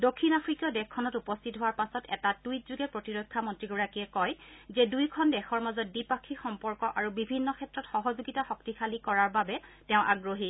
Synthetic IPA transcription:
dokʰːinapʰɹikjɔdɛxkʰːɔnɔtupɔstʰitɦoaɹpasɔtɛ̰tatujt̚zuɡɛpɹotiɹɔjkʰːamɔntɹiɡuɹakiɛkɔjzɛdujkʰɔndɛxɔɹmazɔt̚bipakʰːixɔmpɔɹkɔʔaɹubibʱinːɔkʰɛtɹɔtxɔɦɔzuɡitaxɔk̚tikʰalikɔɹaɹbabɛtɛʊ̃ʔaɡɹoɦi

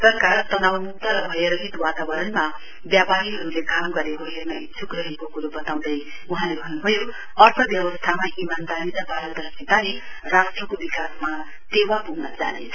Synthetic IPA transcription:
sʌrkaɾt̪ʌnawmuk̚t̪ʌɾʌbʱʌeɾʌɦit̪wat̪abʌɾʌnma | bjapaɾiɦʌɾulekamɡʌɾekoɦernʌit͡sʰukrʌɦekokuɾobʌt̪aw̃d̪ʌj | uɦãlebʱʌnubʱʌjo | ʌrpʰʌbjʌbʌst̪ʰamaʔimand̪aɾiɾʌpalʌd̪ʱʌsnet̪ani | rasʈrʌkobikasma | t̪ewapuɡnʌd͡za̰nḛt͡sʰʌ

